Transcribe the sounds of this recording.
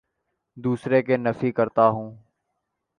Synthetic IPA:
d̪uːsɾeːkeːnəfiːkəɾt̪aːɦũː

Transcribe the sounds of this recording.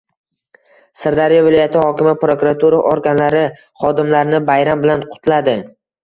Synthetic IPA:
sɪɾd̪aɾɪjɒvɪlɒjat̪ʰɪhɒkʲɪmɪpɾo̞kuɾat̪ʰuɾaʔoɾɡʲanlaɾɪ | χɒd̪ɪmlaɾnɪbajɾambɪlanqʰʊ̥t̪ʰlad̪ɪ

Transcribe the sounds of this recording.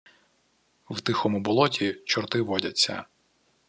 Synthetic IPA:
wt̪ɪxɔmʊbɔlˠɔtʲit͡ʃɔrt̪ɪʋɔdʲɐt͡sʲːɐ̰

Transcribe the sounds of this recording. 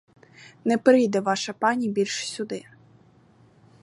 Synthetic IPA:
nɛpɾɪjd̪ɛʋɑʃɐpɑnʲibʲilʲʃsʲʊd̪ɪ

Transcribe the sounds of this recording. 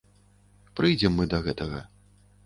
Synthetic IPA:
pɾɨjd͡zʲɛmːɨd̪ɐɣɛt̪ɐɣɐ̰

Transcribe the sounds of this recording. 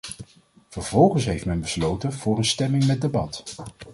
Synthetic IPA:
v̥əɹvɔlˠχənsɦejftmɛnbəslowtənv̥ʊːrənstɛmɪŋmɛt̚debɑt

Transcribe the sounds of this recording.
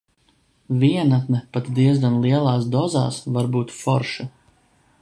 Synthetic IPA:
vʲiɛnat̪nɛpat̪d̪iɛzɡanlˠiɛlˠɑːsd̪ɔza̰ːsvaɾbuːt̪fɔ̰ɾʃa

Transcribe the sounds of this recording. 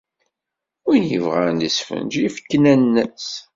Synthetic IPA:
ʊɾjəvʁænd̪əsfə̰nd͡ʒifə̥kːnænːəs

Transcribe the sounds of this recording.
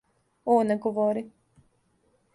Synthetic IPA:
oːneɡoʋoɾi

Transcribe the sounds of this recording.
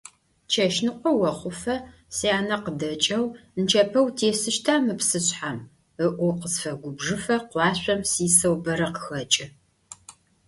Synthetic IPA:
t͡ʃʰɐʃnɨqʷɔwɐχʷʊfɐ | siaːnɐqədɐt͡ʃʼɐwnt͡ʃʰɐpʰɐwtʰeːsɨʃtʰaːmɨpsɨɕħam | əʔʷʊqəsfɐɡʷʊbʐɨfɐqʷɑːɕʷʼɐmsiːsɐwbɐɾɐqə̥xɐt͡ʃʼɪ

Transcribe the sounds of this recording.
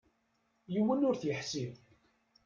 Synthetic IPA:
jiwːənʊɾθjəħsiv

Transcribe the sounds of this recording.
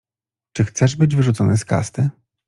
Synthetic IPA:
t͡ʂɘxt̪sɛʐbɘd͡ʑvɘʐut̪sɔnɘska̰st̪ɘ

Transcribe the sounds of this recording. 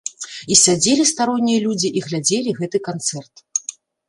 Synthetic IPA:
isʲad͡zʲelʲist̪aɾɔnʲːijɐlʲud͡zʲiʔiɣlʲad͡zʲelʲiɣɛt̪ɨkant̪sɛrt̪

